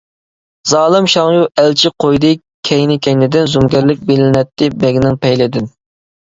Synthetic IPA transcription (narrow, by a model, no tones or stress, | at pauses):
zɑːlˠɨmʃɑŋjuʔælt͡ʃʰɪqʰojd̪ɨ | kʲʰɛjnɪkʲʰɛjnɪd̪ɪnzumɡʲɛɾlɪk̚ʲbelɪnɛt̪ʰːɪbɛɡʲnɪŋpʰɛjlɪd̪ɪn